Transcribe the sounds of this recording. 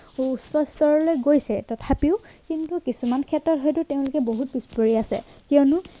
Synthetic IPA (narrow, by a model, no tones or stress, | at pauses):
sɔstɔɹɔlojɡojsɛtɔtʰapiʊkintukisumankʰɛtɹɔtɦɔjtʊteʊ̃lʊkɛboɦut̚bispoɹiasɛ̰kiɔnʊ